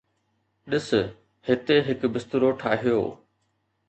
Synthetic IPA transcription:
ɗɪs̆ | hɪt̪eɦɪkbɪst̪ʊɾoʈʰaːɦijo̰ː

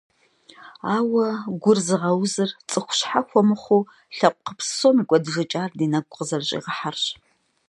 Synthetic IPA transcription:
aːwɐɡʷʊrzɨʁɐwzɨrt͡sʼɨxʷʊ̥ɕħaxʷɔmɨχʷuː | ɬɐqʷʼqəpssoːmiːkʷʼɔdɨʒɐt͡ʃʼaːrdiːnɐɡʷʼqəzɐrɕʼḭːʁəħarɕ

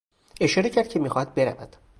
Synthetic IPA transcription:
e̞ʃɒːɾecʰæɾd̪̚cʰemiːxɒd̪̚be̞ɾæ̰væ̰d̪̥

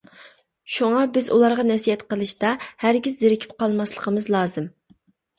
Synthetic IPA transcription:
ʃuŋɑbɪzṵlˠɑɾʁɑnɛsijɛt̪qəlˠɨʃt̪ɑhæɾɡʲizːɪɾɪkʲʰi̥p̚qʰɑlˠmɑslˠəqʰəmɨzlˠɑːzɨm

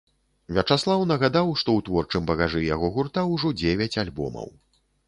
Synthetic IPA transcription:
vʲɛt͡ʂaslˠawnɐɣad̪awʂt̪ɔwt̪vɔrt͡ʂɨmbɐɣaʐɨjaɣɔɣurt̪awuʐɔd͡zʲevʲɛt͡sʲalʲbɔ̰mɐ̰w

